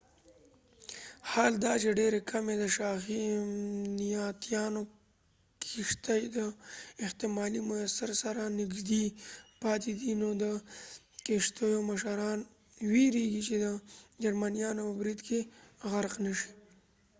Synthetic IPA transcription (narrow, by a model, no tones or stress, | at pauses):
hɑːld̪ɑt͡ʃeɖeɾekʰamed̪əʃɑxi | nijɑt̪jɑno | kʰɪʂt̪ajd̪əɪht̪ɪmɑlimʊasaɾsaɾanɪɡʒd̪ipɑt̪ed̪inod̪ə | keʂt̪əjomaʃaɾɑn | wiɾeɡit͡ʃed̪əd͡ʒaɾmanijɑnopəbɾid̪keɣaɾqnəʃi̥